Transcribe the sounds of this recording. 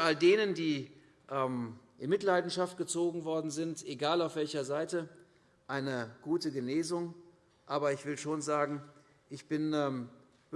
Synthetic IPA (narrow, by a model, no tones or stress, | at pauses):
ʔaldeːnəndiː | ʔɛːmʔɪnmɪtlaɪdn̩ʃaft̚ɡ̥ət͡soːɡŋ̩vɔɐdn̩zɪntʔeɡaːlaʊfv̥ɛlçɐzaɪtə | ʔaɪnəɡ̥uːtəɡəneːzʊŋ | ʔaːbɐɪçv̥ɪlʃoːnzaːɡŋ̩ | ʔɪçb̥ɪnɛ